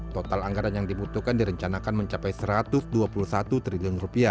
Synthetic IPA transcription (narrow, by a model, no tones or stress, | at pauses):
t̪ot̪alaŋɡaɾanjaŋdibut̪ukandiɾəɲt͡ʃanakanməɲt͡ʃapajsəɾat̪ʊsduapulusat̪ut̪ɾiliʊnrupia